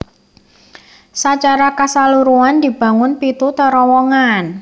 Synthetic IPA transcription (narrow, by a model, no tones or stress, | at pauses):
sat͡ʃaɾakasaluɾuand̪i̤b̥a̤ŋʊnpit̪ut̪əɾɔwɔŋan